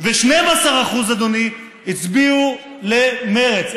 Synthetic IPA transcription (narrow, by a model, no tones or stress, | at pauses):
veʃnejmasaʁaχuzad̪oni | it͡sbiu | lemeʁet͡s